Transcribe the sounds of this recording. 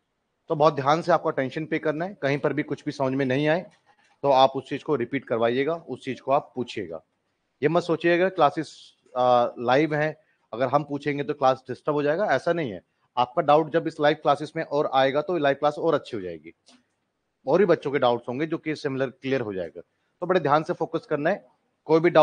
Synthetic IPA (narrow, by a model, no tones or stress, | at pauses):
t̪obɔːt̪̚d̪ʱjaːnseaːp̚kaʈɛ̃ːnʃənpeːkɐɾnaɦɛkɐɦĩpɐɾbʱikʊt͡ʃʰbʱisɐməd͡ʒmẽnɐɦĩaːe | t̪oaːpʊst͡ʃiːd͡ʒkoɾɪpiːʈ̚kɐɾʋaːieːɡaːʊst͡ʃiːd͡ʒkoaːpːuːt͡ʃʰiḛːɡa̰ː | jemɐsoːt͡ʃieɐɡəɾklaːsɪs | laːɪʋɦɛ̃ | ɐɡəɾɦɐmpuːt͡ʃʰẽːŋɡet̪oklaːsɖɪsʈəbɦod͡ʒaːeːɡaɛːsanɐɦĩɦɛ̰ | aːp̚kaɖaːʊʈd͡ʒɐbɪslaːɪʋklaːsɪsmẽʔɔːɾaːeːɡat̪oilaːɪʋklaːsɔːɾɐtːʃʰiɦod͡ʒa̰ːḛːɡḭː | ɔːɾbʱibɐtːʃõkeɖaːʊʈsɦõːŋɡed͡ʒoːkisɪmɪləɾkliːjəɾɦod͡ʒa̰ːḛːɡa̰ː | t̪oːbɐɽed̪ʱjaːnsefoːkəskɐɾnaɦɛ | koːibʱiɖa